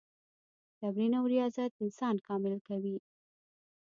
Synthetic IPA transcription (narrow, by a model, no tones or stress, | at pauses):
t̪abɾinawɾijɑzat̪̚ɪnsɑnkɑmɪlkawi